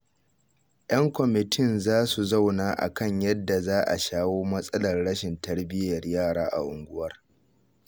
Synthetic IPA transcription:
jʔɐ˦ŋkʷɔ˨mɪ˨tʰɪ˦˨nzaː˦su˨za˦˨wnaː˦ʔa̰˨kɐ˦˨ɲjɐ˦dːa˨zaː˦ʔa̰˨ʃaː˦woː˦mɐ˦sʼɐ˦lɐ˨rɽɐ˦ʃɪ˨ntɐ˦ɽbɪ˦jɐ˨rjaː˦˨ɽaː˦ʔa̰˨ʔʊ˨ŋɡʷʊ˦wɐ˦r

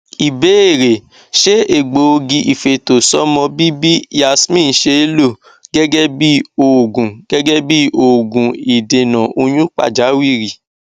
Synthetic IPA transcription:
i˨be˨˦e˦˨ɾe˨ | ʃe˦e˦˨ɡ͡bo˨o˧ɡĩ˧ʔi˨fe˨to˨sɔ˦mɔ̃˧bi˦bi˦a˧smĩ˦˨n̩˦ʃe˦lo˦˨ | ɡɛ˦ɡɛ˦bi˦o˨ɡũ˨ɡ̥ɛ˦ɡɛ˦bi˦o˨ɡũ˨i˨de˨nã˨ʔo˧j̃ũ˦k͡pa̰˦˨d͡ʒa˨˦wi˦˨ɾi˨

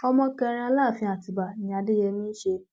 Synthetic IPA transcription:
ɔ˧mɔ̃˧kɛ˧ɾ̃ã˧la˦˨fĩ˧˦a˨ti˨ba˨j̃a˨˧de˦jɛ˧mĩː˦ʃe˧

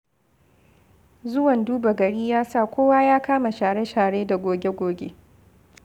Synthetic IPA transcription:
zʊ˦wɐ˨nduː˦ba˨ɡɐ˨ɽiː˦jaː˦sa˦˨kʷoː˦waː˦jaː˦kaː˦ma˨ʃaː˨ɽe˦ʃaː˨ɽeː˦da˨ɡʷoː˨ɡʲe˦ɡʷoː˨ɡʲe˦

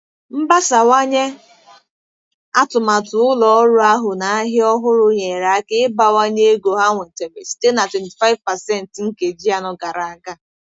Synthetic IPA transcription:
m̩˦ba˦sa˨wa˦ɲe˦ | a˦tʊ˨ma˨tʊ˨ʊ˦lɔ˨ɔ˦ɾʊ˦a˦ɦʊ˨na˨a˦ɦɪ˦ɔ˦ɦʊ˦ɾʊ˦ɲe˨ɾa˨a˦kɪ˦ba˨wa˦ɲe˦e˦ɡo˨ɦa˦ŋʷe˨te˨be˨si̥˨te˦na˨twe˨n˨ti˨fa˦ɪ˦vpa˨sɛ˦˨n̩˨tŋ̩˦ke˨d͡ʒi˦a˨nʊ˦ɡa˨ɾa˨a˨ɡa˦

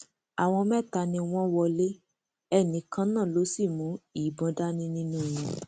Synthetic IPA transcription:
a˨w̃ɔ̃˧mɛ̃˦˨ta˧nĩ˧w̃ɔ̃˦wɔ˧le˦ | ɛ˦˨nĩ˨˦kã˦nãː˦˨lo˨˦si˦˨mũ˨˦i˦˨˦bɔ̃˧da˦nĩ˦nĩ˦nũ˦˨jũ˧

